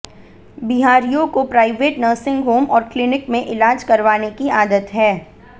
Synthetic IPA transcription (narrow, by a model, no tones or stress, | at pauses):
biɦaːɾijõkopɾaːɪʋeːʈnəːɾsɪ̃ŋɡɦoːmɔːɾklɪnɪkmẽʔɪlaːd͡ʒkɐɾʋaːnekiaːd̪ət̪ɦɛː